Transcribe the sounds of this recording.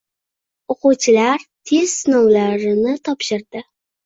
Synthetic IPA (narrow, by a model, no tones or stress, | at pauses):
oqʊwt͡ʃʰɪlaɾt̪ʰe̞z̥sɪnɒwlaɾɪnɪt̪ʰɒpʃɪɾd̪̥ɪ